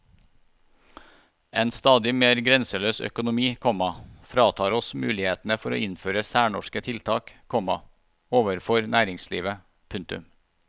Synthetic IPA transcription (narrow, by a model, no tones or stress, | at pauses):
eːnst̪ɑːd̪ɪmeːɾɡɾɛnsəløːsœ̰kʊnʊmiːkʰɔmɑfɾɑːt̪ʰɑːɾɔsmʉ̰ːlɪheːt̪n̩əfɔɾo̰ːɪnføːɾəsæːɳɔʃkət̪ʰɪlt̪ʰɑːkkʰɔmɑ | oːʋəɾfɔɾnʔæːɾɪŋsliːʋə | pʰʉŋt̪ʉ̰m